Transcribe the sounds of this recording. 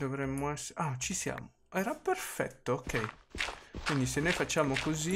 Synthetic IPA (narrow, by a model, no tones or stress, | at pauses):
d̪ovɾɛmːoɛsat͡ʃisja̰ːmo | ɛːɾaperfɛ̰t̪ːookːɛj | kwind̪isenːojfat͡ʃːaːmokozi